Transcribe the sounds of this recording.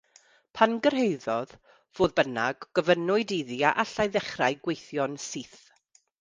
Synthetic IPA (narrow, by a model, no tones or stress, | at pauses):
pʰanɡərɦejðɔð | v̥oːðbənaɡɡ̥əvənʊɨdiðiaʔaɬajðɛχrajɡwejθjɔnsiːθ